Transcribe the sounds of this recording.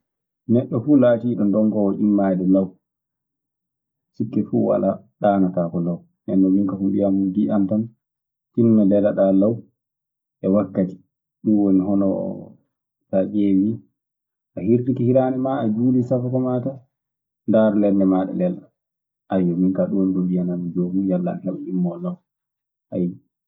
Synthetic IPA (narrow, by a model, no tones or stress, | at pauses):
nɛɗːɔfulatiɗɔndɔŋkɔɔʔimːajdɔlaw | sikːɛfuwa̰la | ɗaːnatakɔlaw | nɛnɗɔmiŋkahumbijamudiʔantam | tinnalɛlaɗalaw | ʔɛwakːati̥ | ɗunwoniɦɔnɔ̰ | tad͡ʒewi | ʔahiɾtikihiɾaːnɛmaad͡ʒuːlisafakɔmata | ndaɾlɛɾnɛmaɗɛ̰lɛla | ʔajɔmiŋkaɗondudijananid͡ʒomijalːa̰nhɛɓaʔimːɔlaw | ʔaj